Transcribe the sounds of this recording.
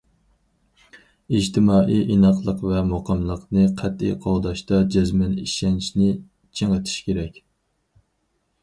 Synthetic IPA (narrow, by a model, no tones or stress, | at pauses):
id͡ʒt̪ʰɪmɑːʔijʔinɑqlˠəqvɛmoqʰɑmlˠəqnɨqʰæt̪ḭjqʰɑlˠd̪ɑʃt̪ɑd͡ʒɛzmɛniʃɛnt͡ʃʰnɪ | t͡ʃʰeŋət̪ʰi̥ʃkʲeɾɛkʲ